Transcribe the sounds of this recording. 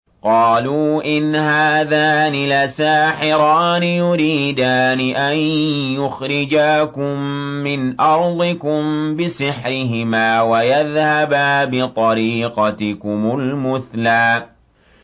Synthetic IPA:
qɑːluːʔɪnhaːðaːnɪlasaːħɪɾˤɑːnɪjʊɾiːd̪aːnɪʔanjʊxɾɪd͡ʒaːkʊmːɪnʔɑɾˤd̪ˤɪkʊmbɪsɪħɾɪɦɪmaːwajaðhabaːbɪt̪ˤɑɾiːqɑt̪ɪkʊmʊlmʊθlaː

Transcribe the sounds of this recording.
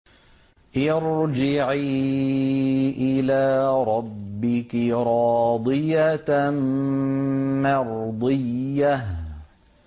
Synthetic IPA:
jɑɾd͡ʒɪʕiː | ʔɪlaːɾˤɑbːɪkɪɾˤɑːd̪ˤɨja | mɑɾˤd̪ˤɨjːah

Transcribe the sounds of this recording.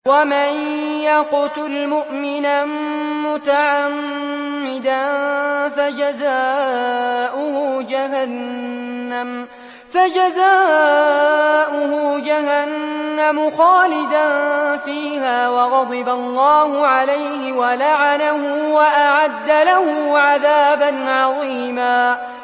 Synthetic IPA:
wamanjaqʊt̪ʊlmʊʔmɪnamʊt̪aʕamː | ɪd̪anfad͡ʒazaː | ʔʊhʊd͡ʒaɦanː | am | fad͡ʒazaː | ʔʊhʊd͡ʒaɦanːamʊxɑːlɪd̪anfiːɦaːwɑɣɑd̪ˤɨbalˤːɑːhʊʕalajhɪwalaʕanahʊwaʔaʕad̪ːalahʊʕaðaːbanʕɑðˤiːmaː

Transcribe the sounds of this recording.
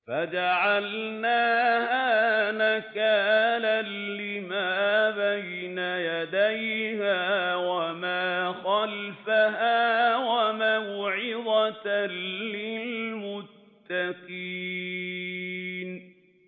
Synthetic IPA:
fad͡ʒaʕalnaːhaːnakaːlalːɪmaːbaj | najad̪ajhaːwamaːxalfaɦaːwamawʕɪd̪at̪lɪlmʊt̪ːaqiː | n

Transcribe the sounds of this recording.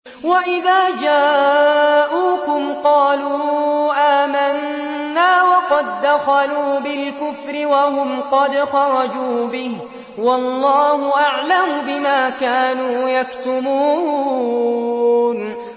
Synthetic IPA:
waʔɪðaːd͡ʒaː | ʔuːkʊmqɑːluːʔaːmanː | aːwɑqɑd̪ːaxaluːbɪlkʊfɾɪwahʊmqɑd̪xɑɾˤɑd͡ʒuːbɪh | wɑlˤːɑːɦʊʔaʕlamʊbɪmaːkaːnuːjakt̪ʊmuː | n

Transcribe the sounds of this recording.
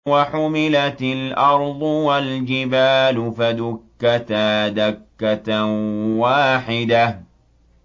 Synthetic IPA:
waħʊmɪlat̪ɪlʔɑɾˤd̪ˤʊwald͡ʒɪbaːlʊfad̪ʊkːat̪aːd̪akːat̪waːħɪd̪a

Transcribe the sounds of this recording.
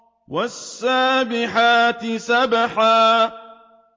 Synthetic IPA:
wasːaːbɪħaːt̪ɪsabaħaː

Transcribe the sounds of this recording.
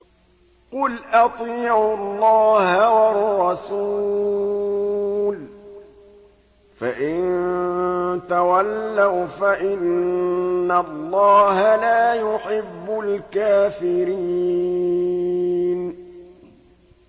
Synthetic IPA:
qʊlʔɑt̪ˤiːʕʊlˤːɑːhawɑrːɑsuː | l | faʔɪn | t̪awalːawfaʔɪnː | alˤːɑːɦalaːjʊħɪbːʊlkaːfɪɾiː | n

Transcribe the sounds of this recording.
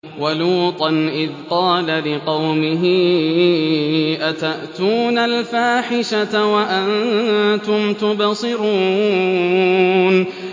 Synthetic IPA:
waluːt̪ˤɑnʔɪðqɑːlalɪqɑwmɪɦɪ | ʔat̪aʔt̪uːnalfaːħɪʃaawaʔant̪ʊmt̪ʊbɑsˤɨɾuː | n

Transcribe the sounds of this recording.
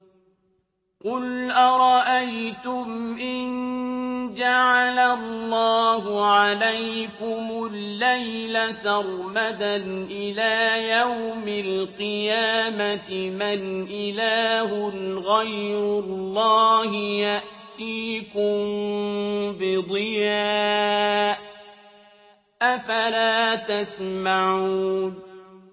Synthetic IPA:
qʊlʔaɾˤɑʔajt̪ʊmʔɪn | d͡ʒaʕalalˤːɑːɦʊʕalajkʊmʊlːajlasɑrˤmad̪anʔɪlaːjawmɪlqɨjaːmat̪ɪmanʔɪlaːɦʊlɣajɾʊlˤːɑːhɪjaʔt̪iːkʊm | bɪd̪ˤɨjaːʔ | ʔafalaːt̪asmaʕuuːn

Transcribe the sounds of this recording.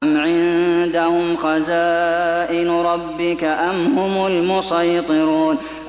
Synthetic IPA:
mʕɪnd̪ahʊmxɑzaːʔɪnɾˤɑbːɪkaʔanhʊmʊlmʊsˤɑjt̪ˤɨɾuːn

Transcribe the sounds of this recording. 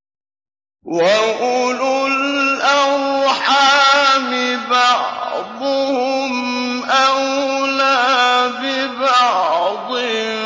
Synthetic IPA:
waʔʊlʊlʔawħaːmɪbɑʕd̪ˤʊhʊmʔawlaːbɪbɑʕd̪ˤɪ

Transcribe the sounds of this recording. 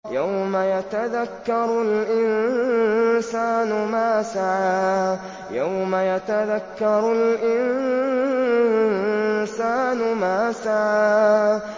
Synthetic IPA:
jawmajat̪aðakːɑɾˤʊlʔɪn | saːnʊmaːsaʕaː | jawmajat̪aðakːɑɾˤʊlʔɪnn | saːnʊmaːsaʕaː

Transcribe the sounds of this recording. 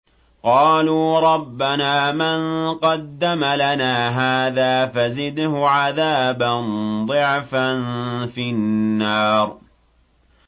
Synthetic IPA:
qɑːluːɾˤɑbːanaːmanqɑd̪ːamalanaːɦaːðaːfazɪd̪hʊʕaðaːband̪ˤɨʕfanfinnːɑːɾˤ

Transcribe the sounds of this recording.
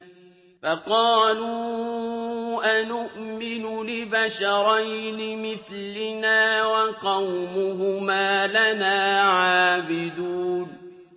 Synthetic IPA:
fɑqɑːluː | ʔanʊʔmɪnʊlɪbaʃɑɾɑjnɪmɪθ | lɪnaːwaqɑwmʊhʊmaːlanaːʕaːbɪd̪uːn

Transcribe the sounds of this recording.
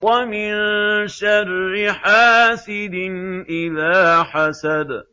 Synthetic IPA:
wamɪnʃarːɪħaːsɪd̪ɪnʔɪðaːħasad̪

